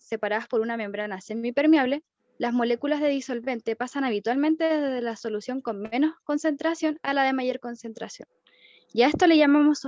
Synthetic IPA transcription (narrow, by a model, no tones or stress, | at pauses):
se̞paɾaðaspo̞ɾunamẽ̞mbɾanasemipe̞ɾmjaβle̞ | lazmo̞le̞kulazðe̞ðiso̞lβe̞nt̪epasanaβ̞it̪walmẽ̞nt̪e̞ðezððelaso̞lusjo̞ŋko̞nme̞no̞sko̞nse̞nt̪ɾasjo̞nalaðe̞maʝo̞ɾko̞nse̞nt̪ɾasjo̞n | jae̞st̪o̞le̞ʝamamo̞s